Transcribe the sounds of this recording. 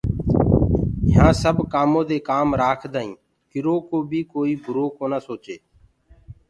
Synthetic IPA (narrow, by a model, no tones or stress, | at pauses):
ɪɦãːsəbʱkaːmõːd̪eːkaːmɾaːkʰd̪aːĩː | kɪɾoːkoːbʱiːkoːiːbʱʊɾoːkoːnəsoːt͡ʃeː